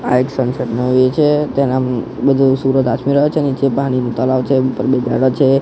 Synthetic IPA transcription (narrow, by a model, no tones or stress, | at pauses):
a̰eksə̃nsəd̪nəɦet͡ʃʰet̪ɛna | bəd̪ʱusuɾət̪at̪ʰmiɾəɦot͡ʃʰenit͡ʃepaɽ̃inũt̪əlaʋt͡ʃʰeupəɾbed͡ʒa̰ɽət͡ʃʰe